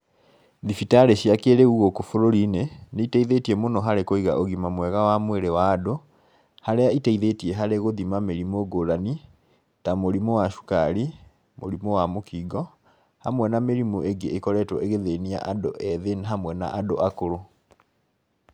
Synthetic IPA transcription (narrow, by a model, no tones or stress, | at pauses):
ðifitaɾeɕiakeɾeuɣokofoɾoɾineneitɛiðetiɛmonɔɦaɾekoiɣa̰ʔoɣimamwɛɣawamweɾewaːdo | haɾeaitɛiðetiɛɦaɾeɣoðimameɾimoɡoɾani | tamoɾimowaʃu̥kaɾi | mo̰ɾimowamokiɡɔ | hamwɛnameɾimoʔeɡeʔekɔɾɛtwɔeɣeðenia̰ʔadoʔɛðenɦamwɛna̰ʔadoʔakoɾo